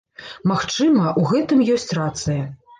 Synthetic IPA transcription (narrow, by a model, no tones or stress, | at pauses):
maxt͡ʂɨmɐʔuɣɛt̪ɨmjɔsʲt͡sʲrat̪sɨjɐ